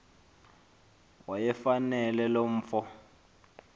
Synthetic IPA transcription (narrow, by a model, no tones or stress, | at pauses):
wajɛfanɛlɛlom̩ːfɔ